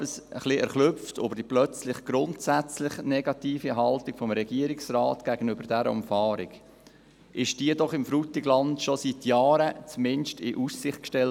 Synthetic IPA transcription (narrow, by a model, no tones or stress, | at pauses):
bəsəχliɛɾχlʏftʰo̰bəɾd̥iplœt͡slɪχɡ̥ɾʊntsæt͡slɪχnɛɡɑtiːfiɦɑltɪɡ̥fɔmɾɛɡ̥iːɾɪksrɑːtɡ̥æɡ̥ənʏbəɾd̥æɾə̰ʊ̰mfɑːɾɪ̰ɡ | ʔɪʃd̥iːədɔχɪmfɾutːɪɡlɑndʃɔsitjɑːɾət͡smɪnʃtɪʔussɪχtkʃtɛl